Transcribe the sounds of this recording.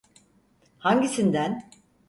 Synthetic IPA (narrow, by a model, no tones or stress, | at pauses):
haɲɟisind̪æn